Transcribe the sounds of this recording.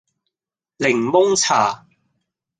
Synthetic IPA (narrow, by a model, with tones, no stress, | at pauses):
lɪ˨˩ŋmʊ˥ŋt͡sʰaː˨˩